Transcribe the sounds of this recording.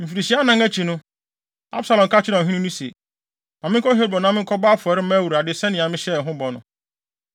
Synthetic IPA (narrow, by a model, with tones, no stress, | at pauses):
m̩˨fi˨ɾi˨ɕi˨˦a˦nã˦ŋæ˦t͡ɕʰi˨nʊ̃˦ | a̰˦bsa˨lɔ̃˨mkʰa˦t͡ɕʰɪ˦nã˨ɦĩ˦nʊ̃˦nũ˦sḛ˨ | nã˨mɪ̃˦ŋ˦kʰɔ˦ɦe˦ɾbɔ˨n˦ã˦mɪ̃˦kʰɔ˦baː˦fʊ˨ɔ˨˦ɾɪ˦mæ̃˦˨wu˨ɾa˨dɪ˦sɛ̃˦nɪ̃˨ã˨mɪ̃˦ɕɛ˦˨ɦʊ̃˦bɔ˨nʊ̰̃˨